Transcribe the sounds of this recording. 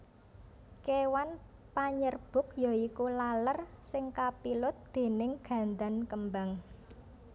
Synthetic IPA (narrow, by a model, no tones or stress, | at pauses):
kewanpaɲərb̥ʊ̤k̚jɔikulalərsɪŋkapilʊt̪̚d̪̥e̤nɪŋɡ̥ä̤nd̪ankəmbaŋ